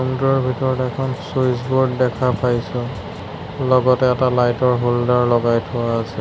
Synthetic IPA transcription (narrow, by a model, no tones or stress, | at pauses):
umdɔɹbʱitɔɹɔtɛɛkʰɔnsojsbɔɹddɛkʰapʰajsʊ̃ | lɔɡɔtɛːtalajtɔɹɦuldaɹlɔɡajtʰʊwaːsɛ